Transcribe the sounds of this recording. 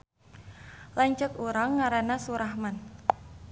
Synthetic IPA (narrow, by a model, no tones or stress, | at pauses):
laɲt͡ʃəkuɾaŋːaɾanasuɾahman